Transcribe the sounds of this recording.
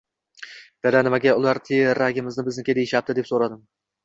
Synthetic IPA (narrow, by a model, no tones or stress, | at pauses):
ved̪anɪmaɡʲaʊlaɾt̪ʰeɾaɡʲɪmɪznɪbɪznɪkʲed̪ejɪʃap̚d̪ɪd̪e̞psoɾad̪ɪm